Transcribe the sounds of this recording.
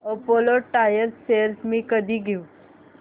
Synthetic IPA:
opoːloʈaːjəɾsseːɾsmĩkəd̪ʱiɡiũ

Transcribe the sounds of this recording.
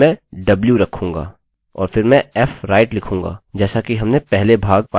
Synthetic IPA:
ɛ̃ɖɐbljuɾɐkʰũːŋɡa̰ː | ɔ̰ːɾfɪɾmɛ̃ɛːfɾaːɪʈlɪkʰũːŋɡa̰ːd͡ʒɛːsakiɦɐmnepɛɦlebʱaːɡ̚paː

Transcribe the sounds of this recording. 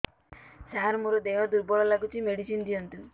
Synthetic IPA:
saɦaɾmuɾɔd̪eɦɔd̪uɾbɔɭɔlaɡut͡ʃʰimeɽisind̪ijɔnt̪u

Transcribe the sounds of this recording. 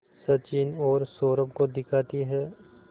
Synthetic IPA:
sɐt͡ʃiːnɔːɾsoːɾəpkod̪ɪkʰaːt̪iɦɛː

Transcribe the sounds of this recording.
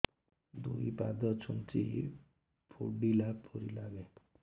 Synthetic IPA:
d̪uipad̪ɔt͡ʃʰunt͡ʃḭ | pʰuɖilapʰɔɾilaɡe

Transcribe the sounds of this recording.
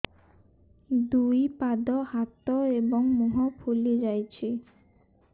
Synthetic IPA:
d̪ujpad̪ɔhat̪ɔebɔŋmuɦɔpʰulid͡ʒajt͡ʃʰi

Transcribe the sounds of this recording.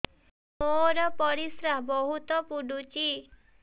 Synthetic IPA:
moɾɔpɔɾisɾaɦbɔɦut̪ɔpuɖut͡ʃi

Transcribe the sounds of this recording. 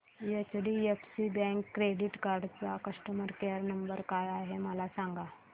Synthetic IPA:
jet͡ʃɖiepʰsibɛ̃ːŋkːɾeːɖiʈkaːɾɖpakɐsʈəməɾkeəɾnɐmbəɾkajaɦemalasãːŋɡa

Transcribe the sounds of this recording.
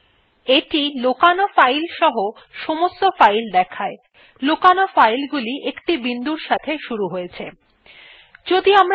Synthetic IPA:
eʈilokanofajlʃɔɦo | ʃomost̪ofajld̪ɛkʰae | lokanofajlɡuliʔekʈibind̪uɾʃat̪ʰeʃuɾuɦojet͡ɕʰe | d͡ʑod̪iamɾ

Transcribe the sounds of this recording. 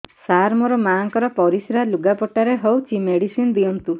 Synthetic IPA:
saɾmɔɾɔmaŋkɔɾɔpɔɾisɾaluɡapɔʈaɾeɦɔwt͡ʃʰimeɽisind̪iɔnt̪u

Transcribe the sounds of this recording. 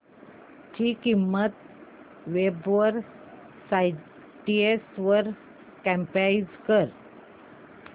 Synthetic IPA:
t̪ʰiːkimːət̪ | ʋebʋəɾ | saj | ʈiesʋəɾ | kæ̃mpaid͡zkəɾ

